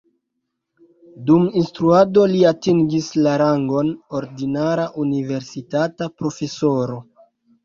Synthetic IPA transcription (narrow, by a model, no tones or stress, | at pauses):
duminstɾuado̞liatiŋɡislaɾaŋɡo̞no̞ɾdinaɾaʔunive̞ɾsitatapɾo̞fe̞so̞ɾo̞